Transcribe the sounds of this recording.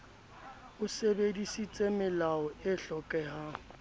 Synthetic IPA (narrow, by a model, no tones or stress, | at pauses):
ʊsebedisit͡sʼemɪlaɔɪɬɔkʼɛha